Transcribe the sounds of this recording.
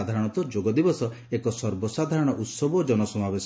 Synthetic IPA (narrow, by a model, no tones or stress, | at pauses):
ad̪ʱaɾɔɽ̃ɔt̪ɔd͡ʒoɡɔd̪ibɔsɔ | ekɔsɔɾbɔsad̪ʱaɾɔɽ̃ɔʔut̪sɔbɔd͡ʒɔnɔsɔmabes